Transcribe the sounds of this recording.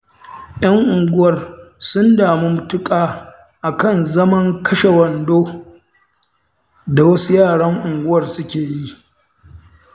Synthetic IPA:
ʔj̰ɐ˦ŋʔʊ˨ŋɡʷʊ˦wɐ˨rsʊ˦ndaː˨mu˦mʊ˨tʊ˦kʼaː˨ | ʔa˨kɐ˦˨nzɐ˦mɐ˦ŋkʰɐ˦ʃe˨wɐ˨ndoː˦ | da˨wɐ˦su˦jaː˦˨ɽɐ˦ŋʔʊ˨ŋɡʷʊ˦wɐ˨rsʊ˦kʲeː˨ji˦ʔ

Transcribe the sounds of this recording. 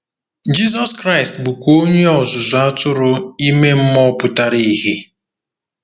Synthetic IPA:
d͡ʒi˦zɔ˦skɾa˦˨ɪ˨stbʊ˨ko˦ɲe˦ɔ˨zʊ˨zʊ˨a˦tʊ˦ɾʊ˦i˦me˦m̩˦mɔ˦pʊ˦ta˦ɾi˦i˦˨he˦

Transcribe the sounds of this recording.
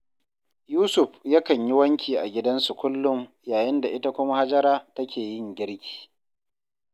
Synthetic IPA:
juː˦sʊ˨ɸja˦kɐ˨ɲji˦wɐ˦ŋkʲiː˨ʔa˨ɡʲɪ˦dɐ˦nsu˨kʷʊ˦lːʊ˦ŋ | jaː˨jɪ˦nda˨ʔɪ˦ta˦kʷʊ˦ma˦ha˦d͡ʒɐ˦ɾaː˦tɐ˦kʲʰeː˨jɪ˦ŋɡʲɪ˦ɽkʲʰi̥ː˨

